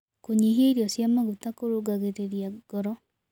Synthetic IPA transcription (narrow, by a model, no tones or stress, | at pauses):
koɲiɦeɾiɔsjamaɣutakoɾoɡaɣeɾeɾiaɡ̥ɔɾɔ